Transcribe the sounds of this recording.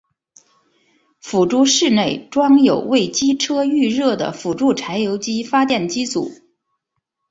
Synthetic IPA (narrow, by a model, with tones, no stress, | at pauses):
fu˨˩ʈ͡ʂu˥ʂɻ̩˥˧ne˥˩ɪʈ͡ʂwɑ˥ŋjo˨˩ʊwe˥˩ɪt͡ɕi˥ʈ͡ʂʰɤ˥y˥˧ɻɤ˥˩d̪ə̰˩fu˨˩ʈ͡ʂu˥˩ʈ͡ʂʰa˧˥ɪjo˧˥ʊt͡ɕi˥fa˥t̪̬jɛ˥˩nt͡ɕi˥t͡sṵ˨˩˦